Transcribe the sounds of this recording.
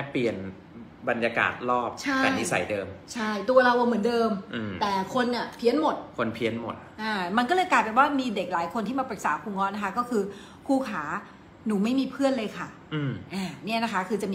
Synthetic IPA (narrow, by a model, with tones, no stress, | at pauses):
pli˨˩ən | ba˧njaː˧ka̰ː˨˩t̪̚lɔː˥˩p̚t͡ɕʰa˥˩ka˧ni˦˥sa̰˨˩˦jdɤː˧mt͡ɕʰa˥˩jt̪u˧ɐ˧ɾa˧wʔa˧wmɯ˨˩˦əndɤː˧mʔɯ˧t̪ɛː˨˩kʰo˧nʔa˧˨˩pʰi˦˥ənmo˨˩t̪̚kʰo˧npʰi˧˥ənmo̰˨˩t̪̚ʔaː˧˩ma˧nkɔː˥˩lɤː˧jkaː˨˩t̪̚pe˨˩waː˥˩miː˧de˨˩k̚laː˩˦jkʰo˧nt̪ʰi˥˩maː˧pɾɯ˨˩k̚saː˩˦kʰuː˧ŋːɔ˦˥na˦˥kʰa˦˥kɔː˥˩kʰɯː˧ | kʰuː˥˩kʰaː˩˦ | nuː˩˦ma˥˩jmiː˧pʰɯ˥˩ənlɤː˧jkʰa˥˩ | ʔɯː˧mʔaː˧˩ni˥˩ɐna˦˥kʰa˦˥kʰɯː˧t͡ɕa˨˩miː